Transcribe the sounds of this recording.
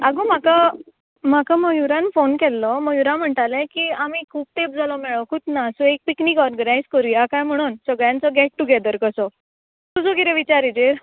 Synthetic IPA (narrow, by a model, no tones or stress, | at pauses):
aɡum̤aka | m̤akaməjuɾanfonkɛlːɔməjuɾãm̤əɳʈalɛ̃kiːamikʰuːp̚t̪ep̚d͡zʱalɔmɛɭɔkʰut̪naəsuek̚piknikɔɾɡənajd͡zkɔɾijakajm̤əɽ̃uːnsəɡɭjãnt͡sɔɡɛʈ̚ʈuɡɛd̪əɾkəsɔ | t̪usɔkit̪ɛʋit͡ɕaɾid͡ʑeɾ